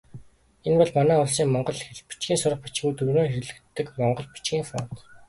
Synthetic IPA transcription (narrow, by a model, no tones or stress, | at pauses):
enpɔɮmanæːʊɮs̬iːŋmɔɴɢɞ̆ɮxeɮpi̥t͡ɕɡiːnsʊɾə̆χ̚pi̥t͡ɕɡuːjt̪ɵɾoːŋxeɾɮɘ̆k̚t̪ːɘ̆kmɔɴɢɞ̆ɮpi̥t͡ɕɡiːŋfɔ̰n̥t̪